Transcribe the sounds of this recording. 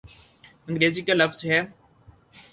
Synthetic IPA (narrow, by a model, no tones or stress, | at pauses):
ə̃ŋɡɾeːziːkalɐfz̥ɦeː